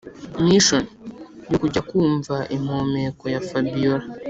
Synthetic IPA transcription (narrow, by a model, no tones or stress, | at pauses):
miʃonjokuɟakuːɱvaʔim̥ho̞me̞ko̞jafabijoɾa